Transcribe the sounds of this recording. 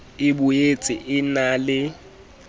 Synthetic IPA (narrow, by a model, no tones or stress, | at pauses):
ɪɓujet͡sʼɪ̰ʔɪnaːlɪ